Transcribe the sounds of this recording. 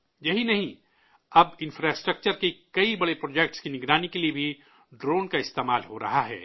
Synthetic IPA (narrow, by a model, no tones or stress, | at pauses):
jɐɦinɐɦĩ | ɐbɪ̃nfɾaːsʈɾɐk̚t͡ʃəɾkekɐibɐɽepɾoːd͡ʒek̚ʈskinɪɡɾaːnikeliebʱi | ɖɾoːnkaɪst̪eːmaːlɦoɾɐ̰ɦaɦɛ̰ː